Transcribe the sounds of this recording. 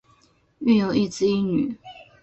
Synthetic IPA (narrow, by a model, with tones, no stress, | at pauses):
y˥˩jo˨˩ʊi˥˩t͡sɹ̩˥˧i˥ny̰˨˩˦